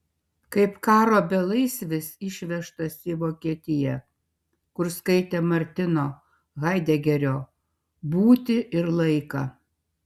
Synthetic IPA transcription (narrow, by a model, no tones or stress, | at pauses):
kɐɪpkɑːɾoːbʲɛlˠɐɪsʲʋʲɪsɪʃʲʋʲɛʃt̪ɐsʲiːʋoːkʲiɛt̪ʲɪjɛ | kʊɾskɐɪt̪ʲeːmɐɾʲt̪ʲɪnoː | ɣɐɪd̪ʲɛɡʲɛɾʲoː | buːt̪ʲɪʔɪɾlˠɐɪkɐ